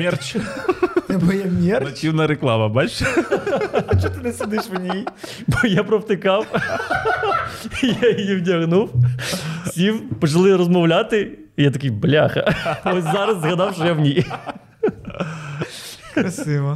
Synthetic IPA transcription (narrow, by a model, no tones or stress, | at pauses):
mʲɛrt͡ʃ | bɔjamʲɛrɐtʲiwnɐɾeklˠɑʋɐbalʲʃ | t̪ɐt͡ʃt̪ɪnɛsʲɪd̪ɪʃʋnʲij | bɔjapɾɔwt̪ɪkɑw | ijajijiwtʲɐɣnuw | sʲiwpɔt͡ʃɐlˠɪrɔzmɔwlʲat̪ɪ | jat̪ɐkʲijblʲaxɐ̰ɔsʲzɑɾɐsːɣɐd̪ɑwʃɔjawnʲij | kɾɐsɪʋɐ